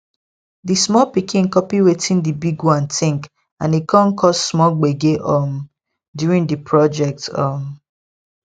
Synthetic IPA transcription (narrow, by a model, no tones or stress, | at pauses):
dismɔlpikĩnkɔpiwetʰĩndibiɡwɔ̃ntʰĩŋk | ãnikʰɔ̃nkʰɔssmɔlɡ͡beɡeʔɔm | djuɹĩndipʰɹɔd͡ʒɛk̚tɔm